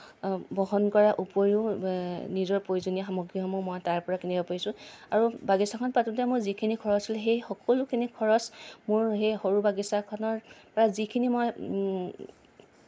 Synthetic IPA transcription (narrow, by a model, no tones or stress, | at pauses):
bɔɦɔnkɔɹaʔupoɹu | nizɔɹpɹojuzonijaxamoɡɹiɔmɔmɔjtaɹpɔɹakenɛkɔpajsʊ̃aɹubaɡisakʰɔnpatutɛmʊzikʰinikʰɔɹɔsilɦejxɔkɔlukʰinikʰɔɹɔsmʊɹɦejxoɹubaɡisakʰɔnɔɹpɔɹazikʰinimɔj